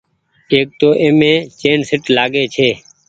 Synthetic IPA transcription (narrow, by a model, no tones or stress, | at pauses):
eːk̚t̪oːʔeːmẽːt͡ʃeːnsɪʈlaːɠeːt͡ʃʰeː